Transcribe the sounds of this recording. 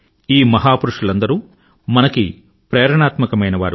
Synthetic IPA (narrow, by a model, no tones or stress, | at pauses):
iːmɐɦaːpuɾuʂulɐnd̪ɐɾuː | mɐnɐki | pɾɛːɾɐɳaːt̪mɐkɐmɐjnɐʋaːɾu